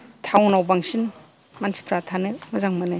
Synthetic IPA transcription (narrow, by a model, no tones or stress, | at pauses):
tʰawnawbaŋsin | mansi̥pʰɾatʰanɯmɐzaŋmane